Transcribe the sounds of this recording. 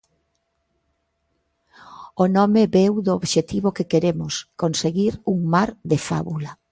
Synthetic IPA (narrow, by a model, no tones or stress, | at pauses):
onɔmebewd̪ooβʃet̪iβokekeɾemʊskonseɣiɾuŋmaɾd̪efa̰βulɐ